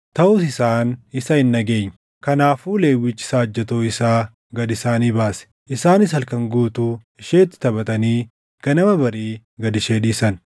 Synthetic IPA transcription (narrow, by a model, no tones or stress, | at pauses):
t̪ɐʔʊsɪsaːnɪsɐɪnːɐɡe̞ːɲː | kɐnaːfuːle̞ːwɪt͡ʃːɪ̥saːd͡ʒːɐt̪oːɪsaː | ɡɐd̪ɪsaːniːbaːsɛ̥ | ʔɪsaːnɪs̬hɐlkɐŋɡuːt̪ʊ | ɪʃeːt̪ːɪ̥t̪ɐbɐt̪ɐniː | kɐnɐmɐbɐɾiː | ɡɐd̪ɪʃeːᶑiːsɐn